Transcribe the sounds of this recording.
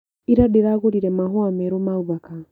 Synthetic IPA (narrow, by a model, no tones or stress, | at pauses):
iɾadeɾaɣoɾiɾɛmaɦwamɛɾomauβaka